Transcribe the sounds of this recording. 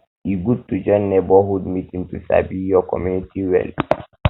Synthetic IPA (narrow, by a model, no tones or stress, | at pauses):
iɡud̚tːud͡ʒɔnːɛbɔhudmitiŋtusa̰bijɔkɔ̰mjunitiwɛ̰l